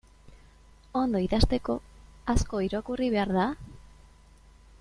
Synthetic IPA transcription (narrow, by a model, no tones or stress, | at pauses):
o̞nd̪o̞iðast̪e̞ko̞asko̞iɾokuriβe̞aɾða